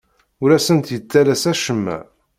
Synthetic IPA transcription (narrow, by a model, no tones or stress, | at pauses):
ʊɾæsənt̪jət͡sːælæsæʃəmːæ̰